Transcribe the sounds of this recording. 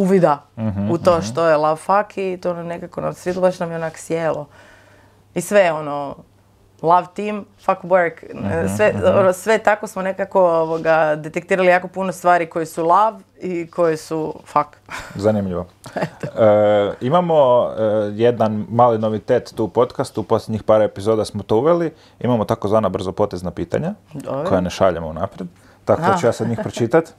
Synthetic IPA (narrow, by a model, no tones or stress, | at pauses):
uʋid̪aɦut̪oːʃt̪o̞jelˠaʋfakʰit̪ononekakonasʋʲet̪ˠubaʃnamjeonaksjeːlˠo | isʋejo̞no | lˠaʋt̪iːmfakbeɾksʋeonosʋet̪ako̞smonekako̞oʋoɡad̪e̞t̪ek̚t̪iːɾalijaːko̞punost̪ʋaːɾiko̞jesulˠaʋikʰo̞jesufakzanimʎiʋotəimamo̞ | jed̪anmaːlino̞ʋit̪eːt̪ːupo̞t̪kast̪upo̞slʲeɲixpaːɾepizod̪asmot̪o̞uʋeli | ḭmamot̪akozʋaːnabr̩zopo̞ːt̪eznapiːt̪a̰ɲad̪okʰo̞janeʃa̰ʎemounapɾjed̪ | t̪akd̪at͡ʃujaːsad̪ɲiːxpɾot͡ʃit̪at̪